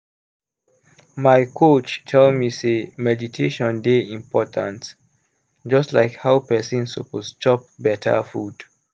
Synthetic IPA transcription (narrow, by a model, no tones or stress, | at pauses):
maɪkʰot͡ʃtʰɛlmisemɛditʰeʃɔ̃ndeĩmpʰɔtʰãnt | d͡ʒʌstlaɪkhawpɛsĩnsopost͡ʃɔp̚bɛtʰə̰fud̥